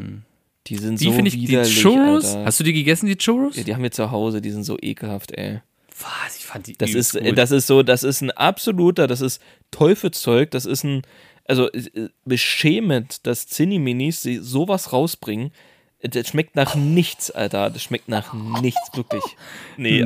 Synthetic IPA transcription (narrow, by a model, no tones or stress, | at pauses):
d̥iːzɪntv̥ioːɪnviiːɐlɪooshastd̥uːdiːɡəɡɛsn̩diːt͡ʃoʁoja̰ːdiːhamviːɐt͡suɦaʊzədiːzɪntz̥o̰ːʔḛːkl̩haftʔɛ̰ː | v̥asɪçfan̥id̥asɪsɛdas̬ɪstz̥oːdasɪstn̩ʔa̰pz̥oluːtɐdas̬ɪst | tʰːɔʏfl̩t͡sɔʏk̚d̥asɪstn̩ | ʔalzoʔɛb̥əʃɛːmətd̥ast͡sɪnimɪnisz̥izoːvasʁaʊsb̥ʁɪŋən | dasʃmɛk̚tnaːχnɪçt͡sʔa̰ltɐ̰dasʃmɛk̚tnaːχɪçt͡sv̥ɪɐklɪçnə